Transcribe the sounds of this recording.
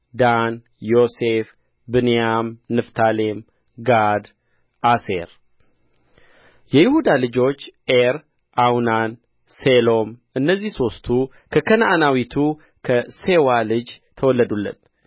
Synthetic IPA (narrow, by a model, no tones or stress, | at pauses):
d̪an | jo̞se̞f | bɨnjamnɨft̪ʰalem | ɡad̪ | ʔaseɾ | jɛjɪhud̪alɨd͡ʒo̞t͡ʃːeɾ | ʔawnan | se̞lo̞mʔɨnːəzːihso̞st̪ʰu | kʰəkʰənʔanawit̪ʰu | kʰəse̞walɨd͡ʒt̪ʰəwɔlːəd̪ulːə̰t̪